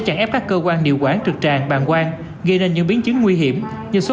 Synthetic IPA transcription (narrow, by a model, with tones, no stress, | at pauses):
t͡ɕa˧˩ŋʔɛ˦˥p̚kaː˦˥kːəː˧kwaː˧nɗḭ˧˨əwkwaː˨˥nt͡ɕɨ˨˩k̚t͡ɕaː˧˩ŋɓa̰ː˧˨nkwaː˧n | ɣə˧jne˧˩nɲɨ̰˧˥ŋɓi˨˦ənt͡ɕɨ˨˦ŋŋwi˧ɦi˧˩əm | ɲɨ̰˧˥so˨˦